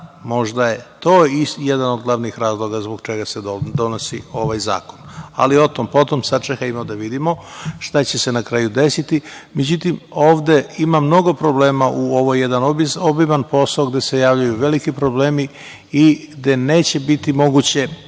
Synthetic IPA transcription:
mo̞ʒd̪ajet̪o̞ːisjed̪anod̪ɡlˠaʋnixɾaːzlˠo̞ɡazboɡt͡ʃeɡaseod̪o̞nosio̞ʋajza̰ːko̞na̰lio̞t̪o̞mpo̞t̪o̞msat͡ʃekajimod̪aʋid̪imo̞ʃt̪at͡ɕe̞se̞nakɾaːjud̪e̞sit̪imed͡ʑut̪imo̞ːʋd̪e̞imamno̞ɡo̞pɾo̞bleːmaʔuoʋojed̪anobiobibanpo̞saoɡd̪e̞se̞jaːʋʎujuʋe̞likipɾo̞ble̞ːmi | iɡd̪e̞ne̞ːt͡ɕebit̪imo̞ɡut͡ɕe̞

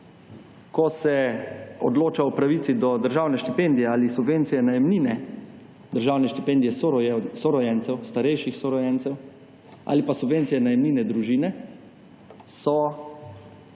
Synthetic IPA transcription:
kɔsɛɔ̰d̪loːt͡ʃaɔpɾaʋiːt̪sid̪ɔd̪əɾʒaːwnɛʃt̪ipend̪ijɛaːlisubʋent̪sijɛnajɛmniːnɛ | d̪əɾʒawnɛʃt̪ipend̪ijɛssɔɾɔjɛnt̪sɛwst̪aɾɛjʃixsɔɾɔjɛntsɛw | a̰ːlipasubʋentsijɛnajɛmniːnɛd̪ɾuʒiːnɛ | sɔ

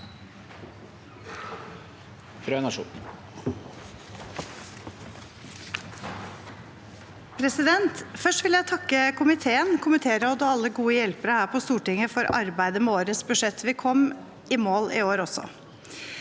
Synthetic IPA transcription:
fɾøːnɑʂṵːn | pʰɾɛsɪd̪ɛnt̪fœʂʈʋɪljæɪt̪ʰɑkːəkʊmɪt̪ʰeːənkʰʊmət̪ʰeːɾəɔd̪əɑlːəɡuːəjɛlpəɾəhæːɾpʰɔst̪uːʈɪŋəfɔɾɑ̰ɾbæɪd̪əmɛoːɾəsbʉʂɛt̪ʰːʋɪkʰɔm | ɪmoːlɪ̰oːɾɔsɔ̰

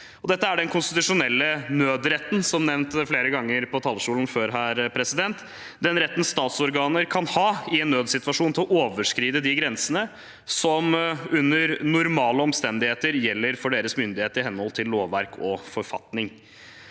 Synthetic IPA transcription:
ɔd̪ɛt̪ːəæɖɛnkʰʊnst̪ɪt̪ʉʂʊnɛlːənøːd̪ɾɛt̪n̩sɔmnɛʋnt̪fleːɾəɡɑŋːəɾpʰɔt̪ʰɑːlːʂuːln̩føːɾɦæːɾpʰɾɛsɪd̪ɛnt̪ | d̪ɛnɾɛt̪ːən̩st̪ɑːt̪sɔɾɡɑːnəɾkʰɑnhɑːɪɛnːøːd̪sɪt̪ʋɑʂuːnt̪ʰɪlʔoːʋəʂkɾiːd̪əd̪ɪɡɾɛnsənə | sɔmʉnːəɾnʊɾmɑːləɔmst̪ɛnd̪ɪheːt̪əɾjɛlːəɾfɔɖeːɾəsmʏnd̪ɪheːt̪əɾɪɦɛnhɔlt̪ʰɪlːoːʋːæɾkʰɔfɔɾfɑ̰t̪nɪŋ

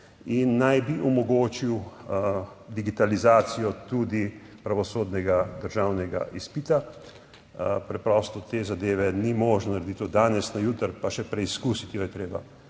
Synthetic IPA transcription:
inːajbiʔɔmɔɡoːt͡ʃiw | d̪iɡit̪alizaːsijɔt̪uːd̪i | pɾaʋɔsoːd̪nɛɡad̪əɾʒaːwnɛɡa̰ʔispit̪a | pɾɛpɾɔst̪ɔt̪eːzad̪eːʋɛnimoːʒnɔnaɾed̪it̪od̪aːnɛsnajut̪əɾpaʃɛpɾɛiskuːsit̪ijɔjɛt̪ɾeːba̰

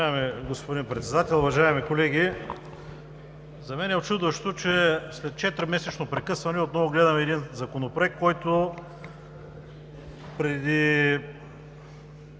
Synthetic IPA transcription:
ʒaɛmɛɡospod̪inpɾɛt̪sɛd̪at̪ʲɛlˠʊvɐʒaɛmikolɛɡʲi | zɐmɛnɛot̪t͡ʃud̪vɐʃt̪ot͡ʃɛslɛt̪̚t͡ʃɛt̪ɾʲimɛsɛt͡ʃnopɾɛkɤsvɐnɛot̪nɔvoɡlɛd̪ɐmɛːd̪inzɐkonopoɛkkːɔjt̪o | pɾɛd̪i

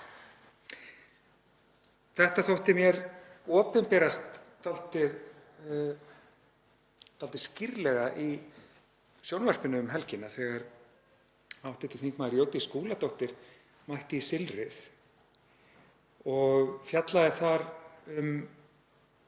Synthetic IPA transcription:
θɛht̪aθowht̪ɪmjɛɾɔːpɪnpɛːɾast̪ːal̥t̪ɪð | t̪ʰalt̪ɪ̥scɪɾlɛɣaʔi | sjownvɛr̥pɪnʏʏmɦɛlcɪnːaθɛɣaɾ | awht̪ɪt̪ɪθiŋkmaðɪɾjoːwt̪ɪskuːlat̪owht̪ɪɾ̥ | majht̪ɪisɪlɾɪθ | ɔɣfjat̪laðɪθaɾʏm

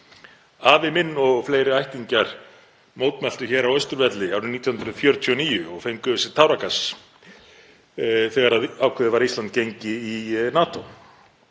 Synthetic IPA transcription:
aːvɪmɪnːɔɣfleːjɾɪajht̪iɲcaɾ̥ | moːwt̪mɛl̥t̪ʏçɛːɾawœɥst̪ʏɾvɛt̪lɪawɾɪmniːt̪jɔhnɾʏðfjœɾt̪ʰʏɔniːjʏɔɣfejŋkʏvʏsɪt̪ʰawɾakas | θɛɣaɾaðaːwkʰɛðɪvaɾist̪lant̪̚cejɲcɪinaːt̪o

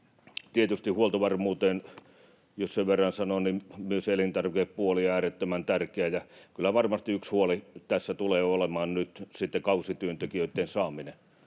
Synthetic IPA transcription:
t̪iet̪yst̪ihuolt̪oʋɑrmuːt̪eːn | josseʋʋerːɑnsɑnonnimmyøselint̪ɑrʋikeppuoliɑæːret̪ːømænt̪ærkeæjɑkylːæʋɑrmɑst̪iykshuolit̪æsːæt̪uleːolemɑːnnyt̪sit̪ːekɑusit̪yønt̪ekiøt̪ːˑeːnsɑːmine

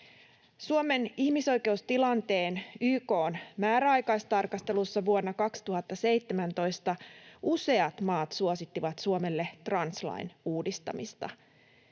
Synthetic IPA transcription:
suome̞niçmiso̞jke̞ust̪ilɑnt̪e̞ːnyːko̞ːnmæːɾæɑjkɑjst̪ɑrkɑst̪e̞lusːɑʋuonːɑkɑkst̪uɦɑt̪ːɑse̞jt̪ːe̞mænt̪o̞jst̪ɑuse̞ɑt̪mɑːt̪suosit̪ːiʋɑt̪suome̞lːet̪rɑnslɑ̰jnuːdist̪ɑ̰mist̪ɑ̰

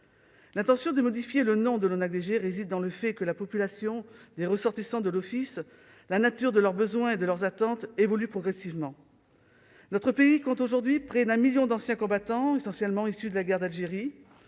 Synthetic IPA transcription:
lɛ̃t̪ɑ̃sjɔ̃d̪əmɔd̪ifjelənɔ̃d̪əlonaɡleʒeʁezid̪ːɑ̃ləfɛkəlapɔpylasjɔ̃d̪eʁəsɔʁt̪isɑ̃d̪əlɔfis | lanat̪yʁd̪əlœʁbəzwɛ̃ed̪əlœʁzat̪ɑ̃t̪evɔlypχɔɡʁɛsivmɑ̃ | nɔt̪χəpeikɔ̃t̪oʒuʁd̪ɥipχɛd̪ɛ̃miljɔ̃d̪ɑ̃sjɛ̃kɔ̃bat̪ɑ̃esɑ̃sjɛlmɑ̃isyd̪əlaɡɛʁd̪alʒeʁi

